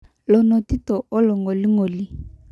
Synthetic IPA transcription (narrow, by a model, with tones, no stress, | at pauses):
lɔ˨nɔ˨ti˦tɔ˨ʔo˦lɔ˨ŋɔ˨li˦ŋo˨li˦